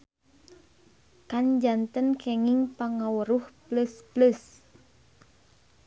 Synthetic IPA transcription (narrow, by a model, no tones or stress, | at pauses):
kand͡ʒant̪ənkʰɛŋiŋpaŋawəɾuhpləspləs